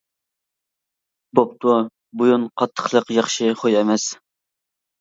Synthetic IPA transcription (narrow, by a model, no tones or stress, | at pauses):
bop̚t̪ʰu | bujunqʰɑt̪ʰːə̥χlˠəqjɑχʃɪχojɛmɛs